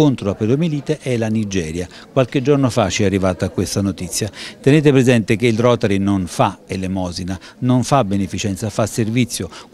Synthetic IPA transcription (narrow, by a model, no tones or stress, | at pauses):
ont̪ɾoaped̪omiliːt̪eʔɛlanid͡ʒɛːɾja | kwalk̟ed͡ʒːornofat͡ʃːiɛarːivaːt̪aːkːwest̪anot̪it̪sːjat̪eneːt̪ɪpɾezɛnt̪ɪk̟eilrɔːt̪ɛɾinonfaelemɔːzina | noɱfabːenefit͡ʃɛnt̪safasːervit̪sːjo